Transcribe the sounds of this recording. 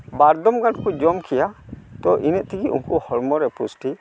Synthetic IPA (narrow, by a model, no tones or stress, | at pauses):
baɾd̪ɔmɡankud͡ʒɔmkʰɛjat̪ɔʔinɛʔ̚t̪ikiʔṵŋkuhɔɾmɔɾɛpusʈi